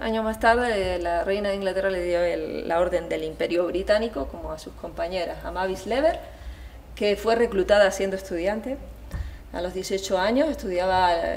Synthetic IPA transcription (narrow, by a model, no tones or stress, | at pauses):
a̰ɲomast̪aɾðelare̞jnaðeiŋɡlat̪e̞rale̞ðjo̞elːao̞ɾðe̞nd̪e̞limpe̞ɾjoβɾit̪aniko̞ko̞moasuhko̞mpaɲe̞ɾasamaβisle̞β̞e̞ɾ | ke̞fwe̞re̞klut̪aðaːsje̞nd̪oe̞st̪uðjant̪e̞ | a̰lo̞zðje̞sio̞t͡ʃoaɲo̞se̞st̪uðjaβa